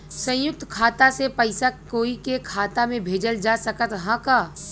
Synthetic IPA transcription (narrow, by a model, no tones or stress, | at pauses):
sə̃jʊk̚t̪kʰaːt̪asepəɪsakoːikekʰaːt̪amẽbʱeːd͡ʒəld͡ʒasɐkət̪ɦãkaː